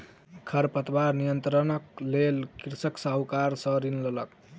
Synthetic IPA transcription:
kʰəɾpət̪baɾnijənt̪ɾənəklelkiɾsəksaɦukaɾsə̃ɾinlələk

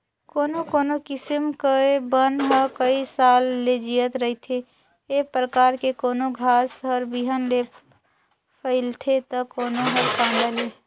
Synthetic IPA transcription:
koːnokoːnokɪsəmkəbənɦəkəisaːlːed͡ʒijət̪ɾəɦit̪ʰe | eːpɾəkaːɾkekoːnoɡʱaːsɦəɾbiɦənle | pʰəɪlt̪ʰet̪okoːnoɦəɾkãːnd̪əleː

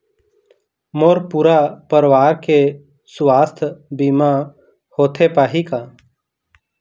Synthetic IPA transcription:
moːɾpuːɾapəɾʋaːɾke | swaːst̪ʰbiːmã | hoːt̪ʰepaːɦikaː

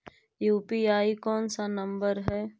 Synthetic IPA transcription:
juːpiaːikɔːnsanə̃mbəɾɦɛː

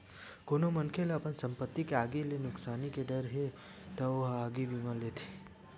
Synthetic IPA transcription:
koːnomənkʰelɐpənsə̃mpət̪ːikeaːɡelenʊksaːnikeɖəɾɦe | t̪ɐoɦaːɡibimə̃leːt̪ʰi̥

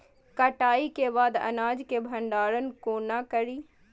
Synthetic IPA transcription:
kəʈaːikebaːd̪ɐ̰naːd͡ʒkebʱə̃ɳɖaːɾənkoːnakəɾiː

